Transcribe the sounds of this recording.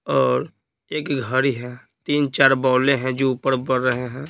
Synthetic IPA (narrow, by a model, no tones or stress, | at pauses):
ɔːɾ | eːkɡʱəɾiɦɛ̃ | t̪iːnt͡ʃaːɾbɔːlẽɦɛ̃d͡ʒoːʊpəɾbəɾːəɦeɦɛ̃ː